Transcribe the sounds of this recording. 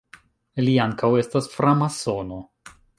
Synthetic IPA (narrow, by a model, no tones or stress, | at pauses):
liaŋkawe̞stasfɾamasono̞